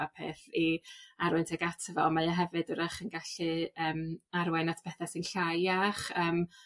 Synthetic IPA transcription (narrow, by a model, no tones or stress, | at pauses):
apʰḛːθiaɾʊntʰɛɡatʰəvɔ̰majɔɦɛvɨdəɾaχənɡaɬɨəːmaɾwɛnatʰpʰɛθɛsɨnɬajaχəːm